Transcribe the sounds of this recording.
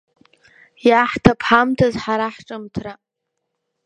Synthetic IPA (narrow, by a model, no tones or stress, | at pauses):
jaħtʰapʰħamtʰazħaɾaħʈ͡ʂʼɨmtʰra